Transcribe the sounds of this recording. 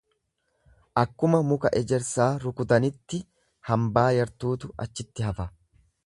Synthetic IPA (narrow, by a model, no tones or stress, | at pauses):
ʔɐkːʊmɐmʊkɐʔɛd͡ʒɛɾsaːɾʊkʊd̪ɐnɪt̪ːɪ | hɐmbaːjɐɾt̪uːt̪ʊʔɐt͡ʃːɪt̪ːɪɦɐfɐ